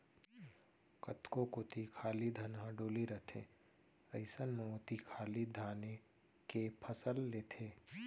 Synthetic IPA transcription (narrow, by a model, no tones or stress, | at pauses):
kət̪kõkot̪ikʰaːlid̪ʱɐnɦãɖoːliɾət̪ʰḛ̃ː | əɪsənmẽʊt̪ikʰaːlid̪ʱaːne | kepʰəsəlːeːt̪ʰeː